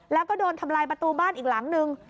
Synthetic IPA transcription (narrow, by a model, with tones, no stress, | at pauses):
lɛː˦˥wkɔː˥˩doː˧nt̪ʰa˧mlaː˧jpɾa˧t̪uː˧baː˥˩nʔiː˨˩k̚la˩˦ŋnɯ˧ŋ